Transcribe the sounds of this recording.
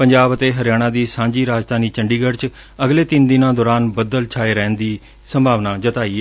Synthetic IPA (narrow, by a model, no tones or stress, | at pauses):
pəɲd͡ʒaːbət̪eːɦəɾjaːɽ̃ãːd̪iːsãːɲd͡ʒiːɾaːd͡ʒd̪aːniːt͡ʃəɳɖiːɡəɾt͡ʃ | əɡleːt̪ɪnd̪ɪnãːd̪ɔːɾaːnbəd̪əlt͡ʃʰaːeːɾɛ̃ːnd̪iː | səmbʱaːʋnaːd͡ʒət̪aːiː